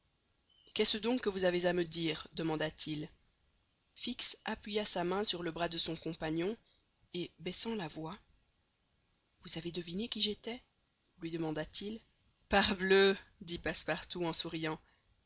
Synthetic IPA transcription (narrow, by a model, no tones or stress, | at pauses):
kɛsəd̪ɔ̃kːəvuzavezaməd̪iːʁd̪əmɑ̃d̪at̪ʰil | fiksapɥijasamɛ̃syʁləbʁad̪əsɔ̃kɔ̃paɲjɔ̃ | ebɛsɑ̃lavwa | vuzaved̪əvinekʲiʒet̪ɛ | lɥid̪əmɑ̃d̪at̪ʰil | paʁblød̪ipaspaʁt̪uɑ̃suʁijɑ̃